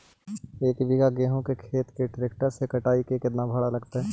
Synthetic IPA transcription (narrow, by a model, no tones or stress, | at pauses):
eːkbɪɡaɡeːɦõkekʰeːt̪keʈɾeːk̚ʈəɾsekɐʈaːikekɪt̪nabʱɐɽalɐɡt̪aɦɛː